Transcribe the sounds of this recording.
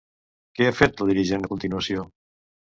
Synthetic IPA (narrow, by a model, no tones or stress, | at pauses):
keafet̪əlˠðiɾiʒend̪əkunt̪inuəsio